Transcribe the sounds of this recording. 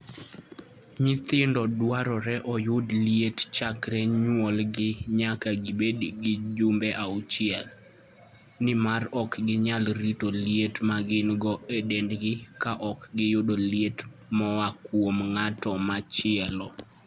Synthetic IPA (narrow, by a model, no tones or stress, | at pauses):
ɲɪt̪ɪndɔdwaɾɔɾɛʔɔjʊdliett͡ʃakɾɛɲwɔlɡɪɲakaɡɪbediɡɪd͡ʒʊmbɛʔaʊt͡ʃɪɛl | nɪmarɔkɡɪɲalɾitolietmaɡɪnɡɔedendɡɪkaʔɔkɡɪjʊdoljetmɔwakwomŋatɔmat͡ʃɪɛlɔ